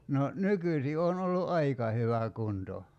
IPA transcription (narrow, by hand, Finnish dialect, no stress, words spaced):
no nykysi on olːu ʔɑikɑ hyʋæ kunto